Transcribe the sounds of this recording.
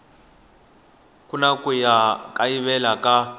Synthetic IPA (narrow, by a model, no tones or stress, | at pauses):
kunakʼujakʼaiβɛlaka